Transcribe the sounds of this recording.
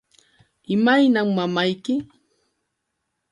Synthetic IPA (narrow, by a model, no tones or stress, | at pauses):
ɪmajnaŋmamajkɪ